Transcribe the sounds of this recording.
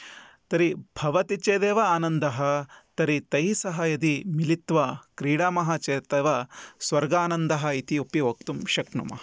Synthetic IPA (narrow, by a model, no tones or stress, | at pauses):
t̪ɐɾibʱɐʋɐt̪it͡ʃeːd̪eːʋɐaːnɐnd̪ɐɦɐt̪ɐɾit̪ɐjsɐɦɐjɐd̪imilit̪ʋɐkɾiːɽaːmɐɦɐt͡ʃeːt̪eːʋɐsʋɐɾɡaːnɐnd̪ɐɦɐit̪iupiʋok̚t̪umʃɐknṵmɐ̰ɦɐ